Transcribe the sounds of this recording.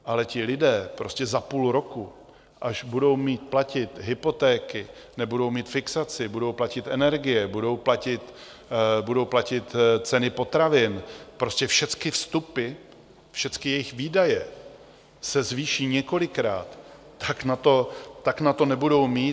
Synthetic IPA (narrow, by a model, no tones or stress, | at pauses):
ʔalɛcɪlɪdɛːpɾo̞scɛzapuːlɾo̞ku | ʔaʃbudo̞wmiːt̪̚placɪt̪ɦɪpo̞t̪ɛːkɪ | nɛbudo̞wmiːt̪fɪksat͡sɪbudo̞wplacɪt̪ʔɛnɛɾɡɪjɛbudo̞wplacɪt̪ | budo̞wplacɪt̪t͡sɛnɪpo̞t̪ɾavɪnpɾo̞scɛfʃɛt͡skɪfst̪upɪ | fʃɛt͡skɪjɛjɪxviːdajɛ | sɛzviːʃiːɲɛko̞lɪkɾaːt̪ː | aknat̪o̞t̪ːaknat̪o̞nɛbudo̞wmiː